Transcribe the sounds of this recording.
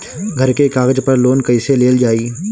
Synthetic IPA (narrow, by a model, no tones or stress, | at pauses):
ɡʱɐɾkekaːɡəd͡ʒpɐɾloːnkɐɪseleːld͡ʒaːiː